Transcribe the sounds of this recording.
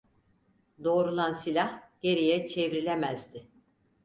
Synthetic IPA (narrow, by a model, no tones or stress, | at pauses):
d̪o̞ːɾulˠansilʲahɟ̥e̞ɾijɛt͡ʃʰevɾilʲemæzd̪ɪ